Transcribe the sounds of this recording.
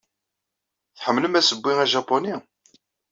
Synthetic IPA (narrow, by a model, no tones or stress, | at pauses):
θħəmːləmæsəbːiæʒɑpːoni